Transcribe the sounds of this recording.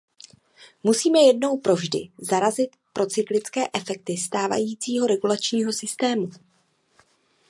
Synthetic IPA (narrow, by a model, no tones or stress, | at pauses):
musiːmɛjɛdno̞wpɾo̞vʒdɪ̰zaɾazɪt̪pɾʔo̞t͡sɪklɪt͡skɛːʔɛfɛk̚t̪ɪst̪aːva̰jiːt͡siːɦo̞ɾɛɡulat͡ʃɲiːɦo̞sɪst̪ɛːmu